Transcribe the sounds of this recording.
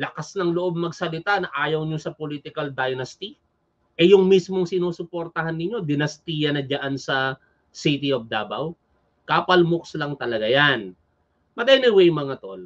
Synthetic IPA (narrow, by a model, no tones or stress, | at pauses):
lɐkasnɐŋloʔob̚mɐɡsɐlɪt̪anɐʔaːjɐwɲosɐpolit̪ɪkɐld̪ajnɐst̪i | ʔɛjʊŋmismoŋsɪnuːsʊpoɾt̪ɐhanːɪɲo̞d̪ɪnɐst̪iːjɐnɐd͡ʒaʔansɐ | sit̪iofd̪aːbɐw | kaːpɐlmʊkslɐŋt̪ɐlɐɡajan | mɐt̪ɛnɪwɛjmɐŋat̪o̞l